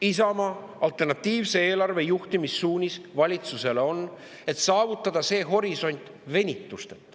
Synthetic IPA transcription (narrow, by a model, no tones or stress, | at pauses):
isɑmɑ | ɑlt̪ːˑe̞rnɑt̪ːiːvse̞e̞ːlɑrve̞juht̪imisːuːnʲisvɑlʲit̪suse̞leo̞n | e̞t̪sɑːvut̪ːˑɑd̪̥ɑse̞ːɦo̞ɾiso̞nʲt̪ˑ | ve̞nʲit̪ːˑust̪e̞t̪ːˑ